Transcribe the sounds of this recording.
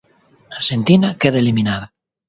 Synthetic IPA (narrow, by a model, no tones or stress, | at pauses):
aɾʃent̪inakeðaeliminaða